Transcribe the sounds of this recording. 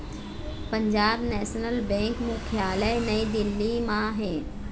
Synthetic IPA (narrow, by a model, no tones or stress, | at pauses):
pə̃ɲd͡ʒaːbnɛːʃnəlbɛ̃ːŋkmukʰjaːlənɐid̪ɪlːimãɦɛ̃ː